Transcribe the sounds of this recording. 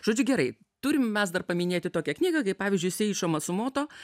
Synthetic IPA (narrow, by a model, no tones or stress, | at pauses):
ʒoːd͡ʒʲʊɡʲɛɾɐɪ | t̪ʊɾʲɪmmʲɛsd̪ɐrpɐmʲɪnʲeːt̪ʲɪt̪oːkʲɛknʲiːɡɐkɐɪpɑːʋʲɪːzʲd͡ʒʊɪsʲɪɪʃoːmɐsʊmoːt̪oː